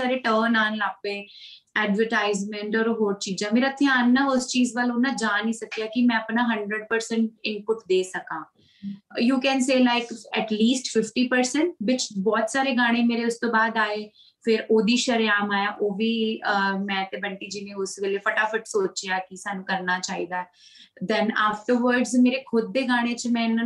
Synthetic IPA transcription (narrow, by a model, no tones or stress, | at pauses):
aːɾeʈəːnaːnlaːpẽː | ɛːɖʋəɾʈaːɪzmɛ̃ɳʈɔːɾɦoːɾt͡ʃiːd͡ʒãːmeːɾat̪ʰːeaːnːaʊst͡ʃiːzʋəloːnaːd͡ʒaːniːsəkijaːkimɛ̃ːəpnaːɦə̃ɳɖɾəɖ̚pəɾsɛ̃ɳʈ̚ɪ̃npʊʈd̪eːsəkãː | juːkɛ̃ːnseːlaɪkɛʈliːsʈfɪfʈiːpəɾsɛ̃ɳʈʋɪt͡ʃbɔːt̪saːɾeːɡaːɽ̃ẽmeːɾeʊst̪õːbaːd̪aːeː | fʰɪɾoːd̪iːʃəɾeaːmaːjaːʔoːʋiːəmɛ̃ːt̪eːbəɳʈiːd͡ʒiːnẽːʊsʋeːlefəʈaːfʊʈsoːt͡ʃjaːkisaːnũːkəɾnaːt͡ʃaːḭːd̪aːɛ | d̪ɛ̃naːfʈəɾʋəɾɖzmeːɾekʰʊd̪ːeːɡaːɽ̃ẽt͡ʃmɛ̃ːɪn